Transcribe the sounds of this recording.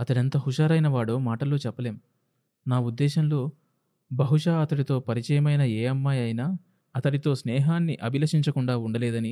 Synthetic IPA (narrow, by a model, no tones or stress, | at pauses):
ɐt̪ɐɽɐnt̪ɐɦuʃaːɾɐjnɐʋaːɽoːmaːʈɐlo̞ːt͡ʃɛpːɐleːm | naːud̪ːɛːʃɐmlo̞ː | bɐɦuʃaːɐt̪ɐɽit̪o̞ːpɐɾit͡ʃɐjɐmɐjnɐeːɐmːaːjɐjnaː | ɐt̪ɐɽit̪o̞ːsnɛːɦaːnːiʔɐbʱilɐʂiɲt͡ʃɐkuɳɖaːuɳɖɐlɛːd̪ɐni